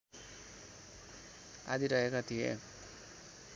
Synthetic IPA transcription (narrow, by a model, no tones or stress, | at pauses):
a̰d̪iɾʌɦekat̪ʰijḛ